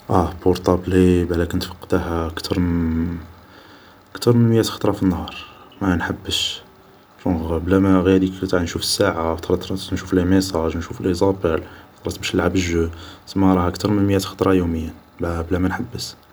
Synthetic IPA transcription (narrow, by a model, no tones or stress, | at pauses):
ʔæboɾt̪ˤɑblibʕælækənt̪fɑ̥qːd̪ahkt̪ʰɑɾˤ | əkt̪ɑɾˤmənmjæt̪xɑt̪ˤɾˤɑfinːhɑɾˤ | mænħabːəʃ | fuɣblæmæɣjæd̪ikt̪aʕnʃufə̥sːaʕat̪ˤɑɾˤɑt̪ɾˤɑnʃuflimesˤɑʒnʃuflʔizˤɑbælt̪ɾˤɑt̪bæʃəlʕabəʒusəmːæɾˤɑhʔəkt̪ɑɾˤmənməjæt̪xɑ̥t̪ˤɾˤɑjuməjːæ | bæblæmænħabːəs